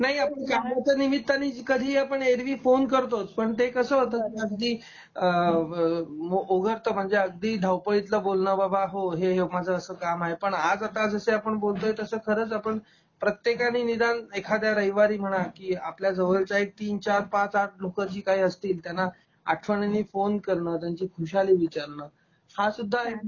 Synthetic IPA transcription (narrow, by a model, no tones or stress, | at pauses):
naɦiapəɳkamat͡sənimit̪ːaniːkəd̪ʱiːapəɳeɾʋiːfonkəɾt̪ot͡spəɳt̪ekəsəːɦt̪əaəɡd̪ʱiː | ə | oʔoɡʱəɾt̪əm̤əɳd͡zeəɡ̚d̪iːɖ̪ʱawpəɭit̪ləbolnəbabʱaɦoɦeɦemad͡zʱəəsəːkamaɦepəɳad͡zat̪ad͡zəseapəɳbolt̪oet̪əsəːkʰəɾəːt͡sapəɳ | pɾət̪jekaniːnid̪anekʰad̪jaɾəjʋaɾiːm̤əɽ̃akiːapljad͡zəʋelt͡ɕaek̚t̪iːnt͡ɕaɾpãt͡saʈ̚ʰlokəɾt͡ɕiːkaɦiːəst̪iːlt̪janːa | aʈʰʋəɳeniːfonkəɾɳəːt̪jaɲt͡ɕiːkʰuɕaliːʋit͡ɕaɾɳəː | hãsud̪ʱːaɦe